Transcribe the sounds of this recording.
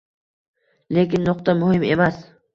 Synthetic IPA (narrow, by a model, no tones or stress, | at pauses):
lekʲɪnːʊq̚t̪amʊhɪme̞mas